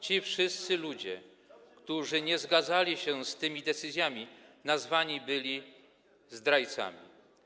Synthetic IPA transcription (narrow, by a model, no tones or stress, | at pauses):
t͡ɕifʂɘst̪sɘlud͡ʑɛ̰ | kt̪uʐɘɲɛzɡad̪zalʲiɕɛst̪ɘmʲid̪ɛt̪sɘzʲjamʲinazvaɲibɘlʲi | zd̪ɾajt̪sa̰mʲḭ